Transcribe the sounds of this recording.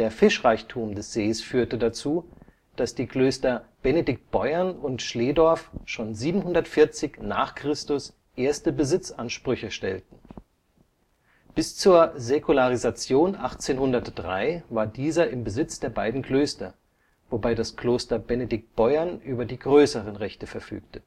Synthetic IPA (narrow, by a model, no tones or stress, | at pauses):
d̥eːɐfɪʃʁaɪçtʰuːmdɛsz̥eːsfyːɐtədat͡suː | d̥asd̥iːkl̥øːstɐb̥ɛnedɪk̚t̚b̥ɔʏɐnʊntʃleːdɔɐfʃoːnziːbm̩hʊndɐtfɪɐt͡sɪçna̰ːχkʁ̥ɪstʊs | ʔeːɐstəbəzɪt͡sʔanʃpʁ̥ʏçəʃtɛltn̩ | b̥ɪst͡suːɐzekʰulaʁ̞izat͡sjoːnʔaχt͡seːnhʊndɐtd̥ʁa̰ɪvaːɐdiːzɐɪmbəzɪt͡sd̥eːɐbaɪdn̩kl̥øːstɐ̰ | vobaɪdaskl̥oːstɐbɛnedɪk̚t̚b̥ɔʏɐnʔyːbɐdiːɡʁøːsəʁənʁɛçtəfɛɐfy̰ːk̚tə